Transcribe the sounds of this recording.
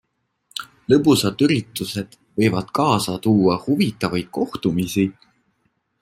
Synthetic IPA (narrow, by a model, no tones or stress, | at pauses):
lɤpusɑd̪yɾit̪ːˑuse̞d̪̥ | vɤ̞jvɑd̪̥kɑːsɑt̪uːɑhuvit̪ːˑɑvɑjd̪̥̚ko̞ht̪umisi